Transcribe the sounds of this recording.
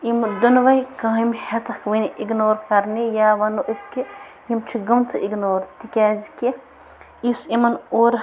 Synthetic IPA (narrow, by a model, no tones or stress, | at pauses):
imd̪unʋɐjkãːimihet͡sɐkʰʋiniʔiɡnoːɾkɐɾnijaːʋɐnoʔiski | jimt͡ʃʰiɡɐmnt͡sʰɨʔiɡnoːɾt̪ikʲaːziki | isimɐnoːɾ